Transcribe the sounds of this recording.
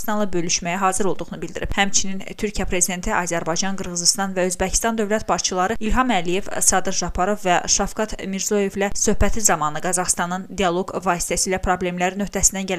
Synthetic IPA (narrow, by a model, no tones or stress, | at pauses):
st̪ɑnlˠɑbø̞lyʃmæjæɦɑːzɯɾo̞lˠd̪uɣnubilʲd̪iɾib̥hæmt͡ʃʰinint̪ʰyɾcʰijæpʰɾezid̪e̞nt̪ʰiʔɑːzæɾbɑjd͡ʒɑnɡɯɾɣɯzist̪ɑnvæøzbæcʰi̥st̪ɑnd̪ø̞vlæt̪bɑʃt͡ʃʰɯlˠɑɾɯilɦɑmælije̞vsɑd̪ɯɾʒɑpʰɑɾovvæʃɑfkɑt̪miɾzo̞je̞vlæsø̞hpæt̪ʰizɑmɑnɯɡɑzɑχst̪ɑnɯnd̪ijɑlˠo̞ɡvɑːsi̥t̪ʰæsiːlæpʰɾo̞ble̞mlæɾinø̞ht̪æsind̪ænɟæl